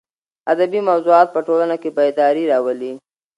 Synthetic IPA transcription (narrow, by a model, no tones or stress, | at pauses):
ad̪abimawzuɑt̪̚pəʈolanakebad̪ɑɾiɾɑwəli